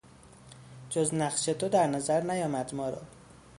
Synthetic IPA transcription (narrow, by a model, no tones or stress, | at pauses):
d͡ʒoznæɢʃet̪ʰod̪æɾnɒːzæɾnæjɒːmæd̪mɒːɾɒ̰